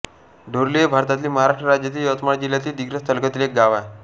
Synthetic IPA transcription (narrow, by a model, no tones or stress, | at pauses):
ɖʱoɾlebʱaɾt̪at̪liːməɦaɾaʂʈɾəɾad͡ʑjət̪̬iːjət̪mad͡ʑiljat̪iːd̪iɡɾəst̪ʰəlkət̪ilek̚ɡaʋa